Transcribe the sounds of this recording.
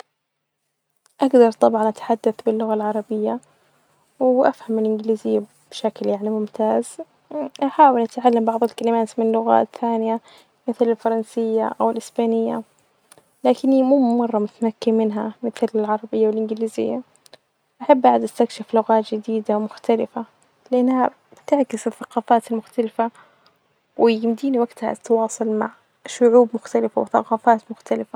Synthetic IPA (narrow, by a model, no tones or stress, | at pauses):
ʔaɡd̪ɑɾˤt̪ˤɑbʕɑnʔat̪ḁħad̪ːaθbɪlːʊɣalʕɑɾˤɑbɪjːa | wʔafhamɪlʔɪnɡɪliːzɪjːa | b̥ʃakljaʕnimʊmt̪aːz̥ | ʔaħaːwɪlʔat̪ʕalːambɑʕðˤɪlkalɪmaːt̪mɪnlːʊɣa̰ːt̪ːaːnɪja | mɪθlɪlfɑɾˤɑnsɪjːa̰ʔawɪlʔɪsbaːnɪjːa̰ | laːkɪnːimuːmɑrˤːɑmʊt̪makːimɪnɦa̰mɪθlɪlʕɑɾˤɑbɪjːawɪlʔɪnɡɪliːzɪ̰jːa | ʔaħabːʔaʕd̪ʔast̪akʃɪflʊɣaːt̪d͡ʒɪd̪iːd̪amʊxt̪alɪfa | lɪʔanːha | t̪ɪʕkɪsɪθːɑqɑːfaːt̪almʊxt̪alɪfa | wʔɪɪmd̪iːniwaɡt̪ha̰t̪wɑːsˤɑlmaʕ | ʃʊʕuːbmʊxt̪alɪfa̰wɪθɑ̰qɑːfaːt̪mʊxt̪alɪfa